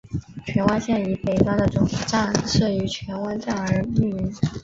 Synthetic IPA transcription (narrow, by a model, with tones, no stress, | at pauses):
t͡ɕʰɥɛ˧˥nwa˥nɕjɛ˥˩ny˧˥pe˨˩ɪfɑ˥ŋd̪ə˨ʈ͡ʂʊ˨˥ŋt̪ʰi˨˩ʈ͡ʂa˥˧nʂɤ˥˩y˧˥t͡ɕʰɥɛ˧˥nwa˥nʈ͡ʂa˥˩nə˞˧˥i˥˩i˧˥n˥